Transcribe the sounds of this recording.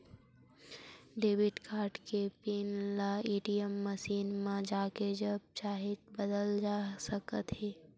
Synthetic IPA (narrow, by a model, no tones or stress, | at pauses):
ɖeːbɪʈkaːɾɖkepiːnlaeːʈijəmːəʃiːnmãd͡ʒaːked͡ʒəb̚t͡ʃaːɦit̪bəd̪əld͡ʒaːsəkət̪ɦeː